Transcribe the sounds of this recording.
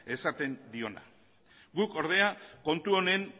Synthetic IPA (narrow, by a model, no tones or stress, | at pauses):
e̞sat̪e̞nd̪io̞na̰ | ɡuko̞ɾðe̞ako̞nt̪uo̞ne̞ŋ